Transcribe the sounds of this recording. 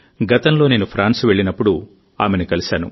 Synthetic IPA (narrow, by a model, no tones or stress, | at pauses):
ɡɐt̪ɐnlo̞ːne̞ːnupʰɾaːnsʋe̞ɭːinɐpːuɽu | aːmenikɐlisaːnṵ